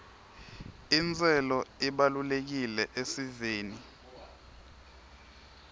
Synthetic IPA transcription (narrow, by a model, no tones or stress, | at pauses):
int͡sʼɛlɔiɓalulek̬ilɛʔesiveːni